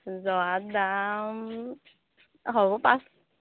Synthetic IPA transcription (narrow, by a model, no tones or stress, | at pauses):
zɔad̪am | ɦoɔpas